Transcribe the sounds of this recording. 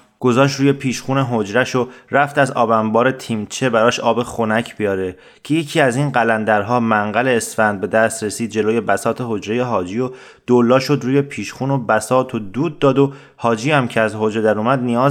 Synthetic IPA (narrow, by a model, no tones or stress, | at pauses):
ɡ̥o̞zɒːʃ̬t̪ɾuːje̞pʰiːʃχuːneɦod͡ʒɾæʃoɾæft̪æzɒ̰ːbæmbɒːɾet̪ʰiːmt͡ʃʰe̞bæɾɒːʃʔɒːbe̞xonæcʰb̥ijɒːɾe̞ | cʰeje̞cʰiːæziːnɢælænd̪æɾɦɒːmæŋɢæle̞ːsfænd̪̚be̞d̪æst̪ɾe̞siːd̪̚d͡ʒe̞loːje̞bæsɒːt̪ʰehod͡ʒɾe̞je̞ɦɒːd͡ʒiːo | d̪̥olːɒːʃo̞d̪ɾuːje̞pʰiːʃxuːno̞bæsɒːt̪ʰod̪uːd̪̚ːɒːd̪o | hɒːd͡ʒiːæmcʰeæzɦod͡ʒɾed̪æɾuːmæd̪nijɒːz